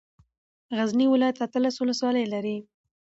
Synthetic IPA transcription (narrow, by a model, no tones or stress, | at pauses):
ɣazniwɪlajat̪at̪əlaswʊləswɑlajlaɾi